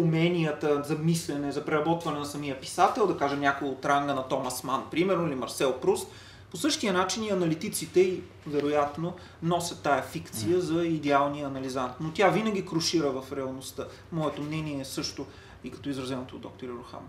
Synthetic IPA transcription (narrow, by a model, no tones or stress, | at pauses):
umɛnʲijət̪əzɐmislɛnɛzɐpɾɛɾɐbɔt̪vɐnɛnɐsɐmiəpi̥sat̪ɛlˠd̪ɐkaʒɛmnʲakoot̪ɾaŋɡənɐt̪ɔmɐsmanpɾimɛɾnoilimɐɾsɛlˠpɾus | posɤʃt̪iənat͡ʃiniɐnɐlit̪it̪sit̪ɛi | vɛɾojat̪no | nɔsʲɐt̪ːajɐfikt̪sijəzɐid̪ɛalˠnijəːnɐlizant̪not̪ʲjavinɐɡ̟ʲikɾʊʃiɾəvɐfɾɛɐlˠnost̪ə | mɔɛt̪omnɛniɛːsɤʃt̪o | ikɐ̥t̪ɔizɾɐzɛnot̪o̰ːd̪ɔ̰k̚t̪oɾiɾʊxa̰m